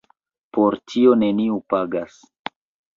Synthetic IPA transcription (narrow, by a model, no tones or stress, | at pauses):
pʰoɾtʰio̞ne̞niupaɡas